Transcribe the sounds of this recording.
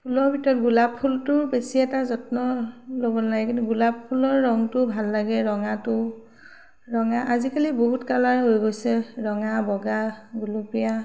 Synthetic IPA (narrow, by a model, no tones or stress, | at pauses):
pʰulɔɹbʱitɔɹɔtɡulappʰːultʊbesiɛtazɔtnɔlobɔnaɡɛkintuɡulappʰulɔɹːɔŋtʊbʱalːaɡɛɹɔŋatʊ | ɹɔŋaʔazikaliboɦutkalaɦojɡojsɛɹɔŋabɔɡaɡulupija